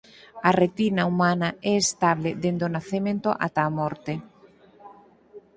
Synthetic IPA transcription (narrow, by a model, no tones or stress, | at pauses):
aret̪inaumanaʔɛest̪aβleðend̪onaθemẽnt̪oʔa̰t̪aːmɔɾt̪e